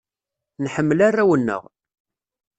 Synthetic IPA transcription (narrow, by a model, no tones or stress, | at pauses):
nħəmːəlarːæwənːə̰ʁ